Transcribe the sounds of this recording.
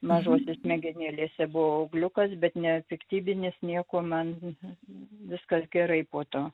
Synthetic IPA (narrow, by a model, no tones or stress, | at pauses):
mɐʒuɔsʲɪsmʲɛɡʲɛnʲeːlʲeːsʲɛbʊʋoʊɡlʲʊkɐsbʲɛt̪nʲɛpʲɪkt̪ʲiːbʲɪnʲɪsnʲiɛkoːmɐn | ʋʲɪskɐsɡʲɛɾɐɪpoːt̪oː